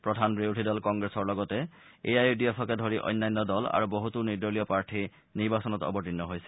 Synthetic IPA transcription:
pɹɔdʱanbɹewʈʰidɔlkɔŋɡɹesɔɹlɔɡɔtɛ | eajdiɔfʰɔkɛdʱoɹiʔɔ̰jnːajnːɔdɔla̰ɹuboɦutunidɔlijɔpaɹʈʰi | niɹbasɔnɔtɔ̰bɔtinːɔɦojsɛ

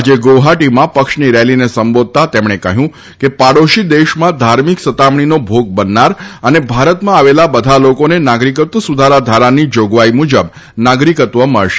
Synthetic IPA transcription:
ad͡ʒeɡoɦaʈimãpəkʃniɾɛlinesəmbod̪̚t̪at̪emɳ̃ekəɦjũ | kepaɽoʃid̪eʃmãd̪ʱaɾmiksət̪amɳ̃inobʱoɡ̚bənːaɾənebʱaɾət̪mãaʋelabəd̪ʱalokonenaɡɾik̬ət̪ʋəsud̪ʱaɾad̪ʱaɾanid͡ʒoɡʋaimud͡ʒəb | naɡɾikət̪ʋəmə̰ɭʃe

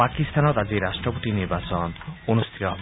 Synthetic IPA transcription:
akist̪ʰanɔt̪ad͡ʑeɾaʃʈɾopot̪iniɾbat͡ɕononust̪ʰi̥t̪oɦb

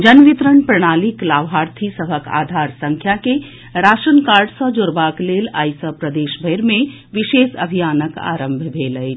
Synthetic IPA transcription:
d͡ʒənʋit̪ɾəɳpɾəɽ̃aːliklaːʋɦaːɾt̪ʰisəɦəka̰ːd̪ʱaːɾsə̃ŋkʰjake | ɾaːʃənkaːɾɖsəd͡ʒoɾbaːkleːlaːjsəpɾəd̪eːʃbʱəjɾmẽ | ʋɪʃeːsɐ̰bʱijaːnəka̰ːɾə̃mbʱbʱeːləj

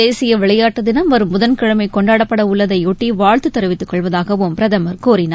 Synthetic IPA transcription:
eːsɪjɐʋɪɭɐjaːʈːɐðɪnɐmʋɐɾɯmːʊðɐnkɪɻɐmɐɪkɔɳɖaːɽɐpːɐɽɐʊɭːɐðɐɪuːʈːiʋaːɻt̪ɯt̪ːɐɾɐʋɪt̪ːɯkːɔɭʋɐðaːɣɐʋʊmpɪɾɐðɐmɐɾkoːɾɪna

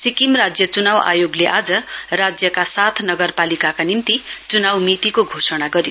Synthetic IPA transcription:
sikimrad͡zjʌt͡sunawa̰joɡleʔad͡zʌrad͡zjʌkasat̪ʰnʌɡʌrpalikakanimt̪it͡sunawmit̪ikoɡʱosʌɽ̃aɡʌɾjo

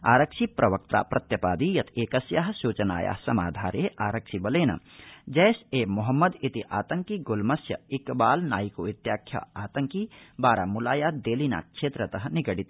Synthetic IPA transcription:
a̰ːɾɐkʃipɾɐʋɐk̚t̪a̰ːpɾɐt̪jɐpaːd̪ijɐt̪ʰeːkɐsjaɦsuːt͡ʃɐna̰ːja̰ːɦsɐma̰ːd̪ʱaːɾeʔaːɾɐkʃibɐleːnɐ̰ | d͡ʒɛːseːmuɦɐmːɐd̪it̪iʔaːt̪ɐŋkiɡolmɐsjɐ̰ikbaːlnaːjikoit̪jaːkʰja̰aːt̪ɐŋkibaːɾaːmulaːjad̪eːlina̰ːʃʰeːt̪ɾɐt̪ɐɦɐniɡɐɽit̪

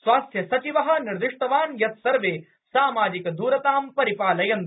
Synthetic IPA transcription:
sʋaːst̪jɐsɐt͡ʃiʋɐɦɐ̆niɾd̪uʂʈɐʋaːnjɐt̪sɐɾʋeː | saːmaːd͡ʒikɐd̪ʱuːɾɐt̪aːmpɐɾipaːlɐjɐnt̪

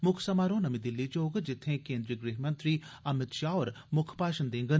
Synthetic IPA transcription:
mʊkʰsɐmaːɾõnɐmid̪ɪlːit͡ʃoːɡd͡ʒɪt̪ʰːẽkẽːnd̪ɾijəɡɾeːɦmɐ̃nt̪ɾiɐmɪt̪ʃaːoːɾ | mʊkʰpaːʃənd̪ẽːŋɡən

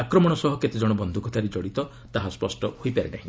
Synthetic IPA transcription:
akɾɔmɔɽ̃ɔsɔɦɔket̪ed͡ʒɔɽ̃ɔbɔnd̪ʱukɔt̪ʰaɾed͡ʒɔɽit̪ɔ | t̪aɦaspɔsʈɔhojpaɾenaɦĩ

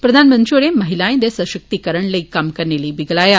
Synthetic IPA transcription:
pɾəd̪ʱanmənt̪ɾioɽẽməɦilãẽd̪esəʃək̚t̪ikəɾəɳ̃ləikːamkəɾɳeliːbiɡɭaja

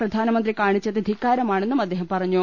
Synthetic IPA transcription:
rɐd̪ʱaːnɐmɐnd̪rikaːɳit͡ɕːɐt̪ɐd̪ʱikːaːɾɐmaːɳenːumɐd̪ːeːɦɐmmpɐrɐɲːu

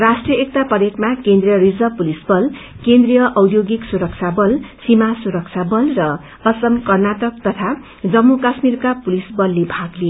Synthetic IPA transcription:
rasʈrijʌek̚t̪apʌɾjekmakend̪rijʌɾid͡zʌpulisbʌlkend̪rijʌʔʌwd̪joɡiksuɾʌk̚t͡sʰabʌlsimasuɾʌk̚t͡sʰabʌlrʌ | ʌsʌmkʌrnatʌk̚t̪ʌt̪ʰa | d͡zʌmːukasmirkapulisbʌlːebʱaɡleo

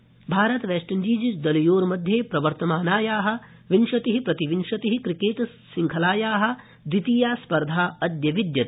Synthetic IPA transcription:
bʱaːɾɐt̪ʋeːʃʈɐɲd͡ʒiːd͡ʒit͡ʃd̪ɐlijoːɾmɐd̪ʱjeːpɾɐʋɐɾt̪ɐmaːnaːjaːɦɐ̆ | ʋinʃɐt̪iɦipɾɐt̪iʋinʂɐt̪iɦikɾikeːʈ | siŋkʰɐlaːjaːɦɐ̆ | d̪ɾit̪iːjaːspɐɾd̪ʱaːɐd̪jɐʋid̪jɐt̪i

